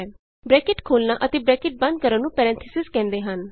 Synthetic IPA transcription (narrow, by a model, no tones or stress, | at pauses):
bɾɛːkɪʈkʰoːlnaːʔət̪eːbɾɛːkɪʈ̚bə̃nd̪̚kəɾə̃nnũːpɛːɾɛ̃ːnt̪ʰəsɪzkɛ̃ːnd̪eːɦən